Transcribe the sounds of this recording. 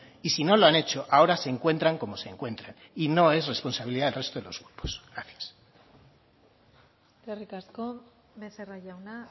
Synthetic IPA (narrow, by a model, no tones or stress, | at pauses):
isino̞lo̞ane̞t͡ʃo̞ʔao̞ɾase̞ːŋkwe̞nt̪ɾaŋko̞mo̞se̞ːŋkwe̞nt̪ɾan | ino̞e̞sre̞spo̞nsaβiliðaðelre̞st̪oðelo̞̰zɣɾupo̥sɣɾaθjḁs | t̪erikasko | beseraʝawna